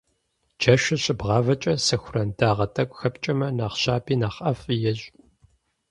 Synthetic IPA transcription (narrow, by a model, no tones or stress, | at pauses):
d͡ʒɐʃɪɕʼɪbʁɑːvɐt͡ʃʼɐsɐxʷʊrɐndʰaːʁɐtʰʼɐkʷʼxɐpt͡ʃʼɐmɐnaːχɕaːpʰiːnaːχɐfjɛɕʼ